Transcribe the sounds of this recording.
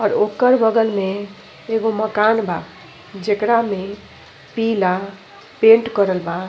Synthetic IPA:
ɔːɾoːkəɾbəɡəlmẽ | eɡoməkanba | d͡ʒekɾamẽ | pila | pẽːʈkəɾəlba

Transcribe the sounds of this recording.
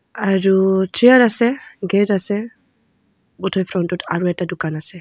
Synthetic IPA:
aɾutʰiaɾasɛɡɛtasɛ | bɔtʰɔjfɾɔntutʰa̰ɾuɛtadukanasɛ

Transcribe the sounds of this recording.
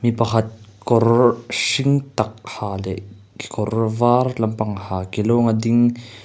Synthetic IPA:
mipɐkʰɐt̪̚kɔrsiŋt̪ɐk̚haːlɛ | ki̥kɔrvarlɐmpɐŋhaːkiloŋad̪iŋ

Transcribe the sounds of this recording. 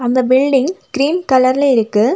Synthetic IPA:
ɐnd̪ɐbɪlɖɪŋɡ̥ɪɾiːnkɐlɐɾɪlɐɪɾɯkːɯ

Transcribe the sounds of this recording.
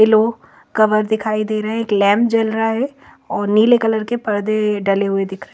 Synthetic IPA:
ɪlo | kɐʋəɾd̪ɪkʰaːid̪eːɾɐɦɛ̃eːklɛ̃ːmpd͡ʒɐlɾaɦɛ | ɔːɾniːlekɐləɾkepɐɾd̪eɖɐleɦʊed̪ɪkʰɾɐɦ

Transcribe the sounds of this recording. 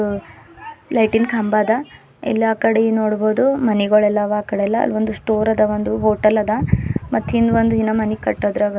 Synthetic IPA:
lɐjʈinkʰɐmbaːd̪ɐ | ɛ̰lːaːkɐɽenoːɽboːd̪umɐniɡɐɭɛlːɐʋaːkɐɽelːɐɐ̰lːʋond̪usʈoːɾɐd̪ɐʋond̪uɦoːʈɐlɐd̪ɐmɐt̪ːɦind̪ond̪uɦinɐmɐnikɐʈːoːd̪ɾaɡ

